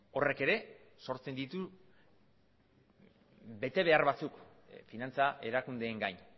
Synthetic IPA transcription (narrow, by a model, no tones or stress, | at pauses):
o̞re̞ke̞ɾe̞ | so̞ɾt͡se̞nd̪it̪u | be̞t̪e̞β̞e̞aɾβat͡suk | finant͡saʔe̞ɾakund̪e̞ːŋɡajɲ